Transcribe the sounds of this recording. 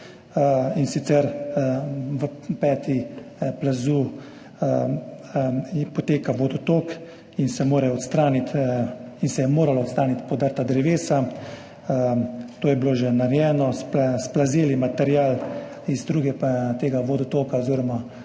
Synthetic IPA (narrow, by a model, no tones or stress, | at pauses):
insit̪sɛɾ | ʋəpɛːt̪iplazu | pɔt̪eːkaʋɔd̪ɔt̪oːk | insɛmoːɾɛɔt̪st̪ɾaːnit̪insɛjɛmoːɾalɔːt̪st̪ɾaːnit̪pɔd̪əɾt̪ad̪ɾɛʋeːsa | t̪oːjɛbloːʒɛnaɾjɛːnɔspsplazeːlimat̪ɛɾjaːl | izd̪ɾuːɡɛt̪eːɡaʋod̪ɔt̪oːkaɔziɾɔma